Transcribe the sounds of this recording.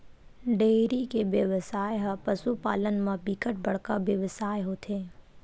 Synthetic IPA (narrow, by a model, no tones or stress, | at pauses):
ɖeːɾikeʋjəʋəsaːjɦpəsupaːlənmãbikəʈ̚bəɽkabjəʋsaːjɦoːt̪ʰeː